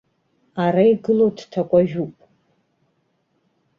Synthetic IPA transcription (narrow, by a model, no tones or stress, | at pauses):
aɾaiɡɨlodtʰakʷʼaʒᶣupʼ